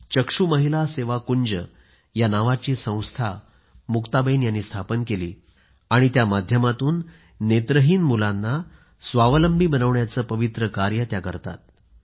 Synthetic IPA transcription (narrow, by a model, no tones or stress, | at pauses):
t͡ɕəkʂuməɦilaseʋakuɲd͡ʑə | janaʋat͡ɕiːsə̃w̃st̪ʰa | mukt̪abənjanːiːst̪ʰapənkelḭː | aɽ̃it̪jamad̪ʱjəmat̪uːnː | et̪ɾəɦiːnmulanːa | sʋaʋələmbʱiːbənəʋɳjat͡səːpəʋit̪ɾəkaɾjət̪jakə̰ɾt̪a̰t̪̚